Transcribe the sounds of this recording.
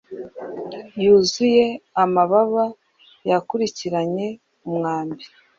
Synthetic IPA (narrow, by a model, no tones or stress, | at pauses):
juːzuje̞amaβaβa | jakuɾiciɾaɲe̞ | umŋaːmbi